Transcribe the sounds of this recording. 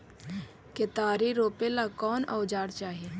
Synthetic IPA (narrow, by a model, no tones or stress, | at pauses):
ket̪aːɾiɾoːpelakɔːnə̰ʊd͡ʒaːɽt͡ʃaːɦieː